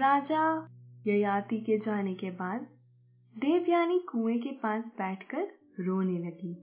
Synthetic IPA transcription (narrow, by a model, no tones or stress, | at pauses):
ɾaːd͡ʒajɐjaːt̪iked͡ʒaːnekebaːd̪̚ | d̪eːʋjaːnikũːẽk̬epaːsbɛːʈʰkəɾ | ɾoːnelɐɡiː